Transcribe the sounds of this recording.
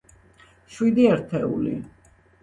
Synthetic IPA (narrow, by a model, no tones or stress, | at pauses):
ʃwid̪iɛɾt̪ʰɛṵlḭ